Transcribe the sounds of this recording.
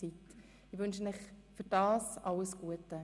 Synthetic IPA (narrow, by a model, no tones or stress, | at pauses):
t͡sit | ɪʋʏnʃənɪχfyɾd̥ɑːsʔɑləsɡ̥uətə